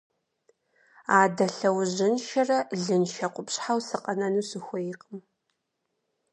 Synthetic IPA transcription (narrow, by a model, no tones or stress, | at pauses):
aːdɐɬɐwʑɪnʃɐrɐɮɨnʃɐqʷʊpɕħawsɨqʼɐnɐnuːsɨxʷɔjɪqʼəm